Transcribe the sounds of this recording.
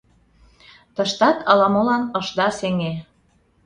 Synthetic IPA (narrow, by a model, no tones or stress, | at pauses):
t̪əʃt̪ɑt̪ɑlɑmolɑnɤʃd̪ɑseŋe